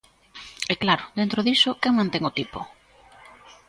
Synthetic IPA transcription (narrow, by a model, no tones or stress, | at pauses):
ɛklaɾʊd̪ent̪ɾoðisʊkeŋmãnt̪ɛŋot̪ipo